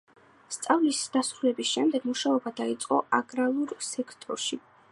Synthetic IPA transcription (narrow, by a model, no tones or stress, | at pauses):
st̪sʼavlisd̪̥asɾulɛbisʃɛmd̪ɛɡ̥muʃaɔbad̪ait̪sʼqʼɔaɡɾalˠuɾsɛkʰt̪ʼɔ̰ɾʃi